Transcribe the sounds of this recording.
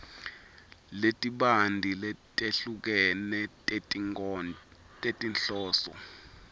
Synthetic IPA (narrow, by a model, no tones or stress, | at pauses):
letʼiɓandʱilɛtʼeɬuk̬ɛnɛ | tʼetʼinɬɔːsɔ̰